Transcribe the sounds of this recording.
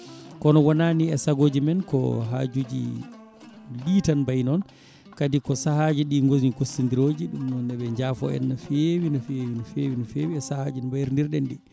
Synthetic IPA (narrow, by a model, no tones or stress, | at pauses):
kɔnɔwɔnaniɛsaɡod͡ʒimɛnkɔ̰ɦa̰d͡ʒud͡ʒḭ | liːtanbajnɔn | kadikɔsahad͡ʒiɗiŋɡozikosːindiɾoːd͡ʒiɗumnɔndɛɓɛɲd͡ʒafɔ̰ɛ̰nːɔfewinɔfiewinɔfewinɔfewiɛsahad͡ʒinbajiɾndiɾɗɛnɗi